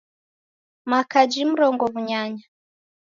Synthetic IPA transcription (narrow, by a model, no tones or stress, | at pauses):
makad͡ʒim̩ɾɔŋɡɔβuɲaɲa